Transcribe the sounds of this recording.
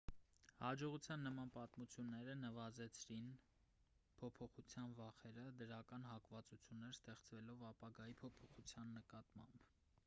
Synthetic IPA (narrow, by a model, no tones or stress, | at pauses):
hɑd͡ʒɔʁut͡sʰjɑnːəmɑnpɑt̪mut͡sʰjunːɛɾənəvɑzɛt͡sʰɾin | pʰɔpʰɔχut͡sʰjɑnvɑχɛɾəd̪əɾɑkɑnɦɑkvɑt͡sut͡sʰjunːɛɾst̪ɛχt͡svɛlɔvɑpɑɡɑjipʰɔpʰɔχut͡sʰjɑnːəkɑt̪mɑ̰mb